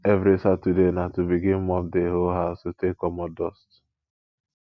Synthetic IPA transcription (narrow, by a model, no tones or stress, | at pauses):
evɾisatudenatubiɡɪm̩mɔfdeɦoɦaʊsutekɔmɔdɔst